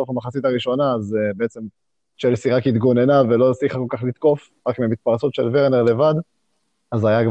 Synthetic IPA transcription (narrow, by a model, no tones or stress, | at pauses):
ofamaχat͡sit̪aʁiʃo̞naːzebeet͡se̞m | ʃelsiʁakit̪ɡo̞ne̞navelosiχako̞lkaχlit̪ko̞f | ʁakmiamit̪̚paʁt͡so̞t̪ʃelveʁneʁle̞vad̪ | azajaɡ